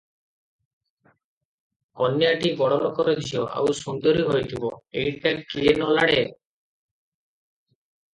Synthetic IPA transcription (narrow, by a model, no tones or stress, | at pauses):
kɔnjaʈiɡɔɽɔɾɔkɔɾɔd̪ʱiɔʔa̰wsund̪ɔɾiɦojt̪ʰibɔeiʈakienɔlaɽe